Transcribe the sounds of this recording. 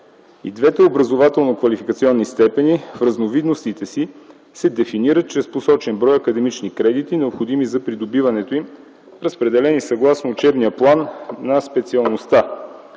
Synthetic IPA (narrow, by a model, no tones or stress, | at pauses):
ḭd̪vɛt̪ɛobɾɐzovat̪ɛlˠnokvɐlifikət̪siɔnːist̪ɛpɛnifɾəznovid̪nost̪it̪ɛsi | sɛd̪ɛfiniɾət̪̚t͡ʃɾɛsposɔt͡ʃɛnbɾɔjɐkəd̪ɛmit͡ʃnikɾɛd̪it̪inɛopxod̪imizɐpɾid̪obivɐnɛt̪oim | ɾəspɾɛd̪ɛlɛnisɐɡlˠasnoːt͡ʃɛbnijəplˠanːɐspɛt̪siɐlˠnost̪a